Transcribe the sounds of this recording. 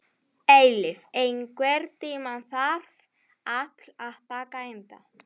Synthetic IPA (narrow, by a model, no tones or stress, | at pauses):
ejlɪfejnkvɛɾt̪iːmanθar̥f | at̪laðt̪aːkaejnt̪a̰